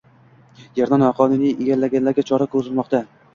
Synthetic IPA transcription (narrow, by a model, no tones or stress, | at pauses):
jeɾnanɒqʰɒnunieɡʲanlaɡʲanlaɾɡʲat͡ʃʰɒɾakʰɵzɪlmɒqt̪a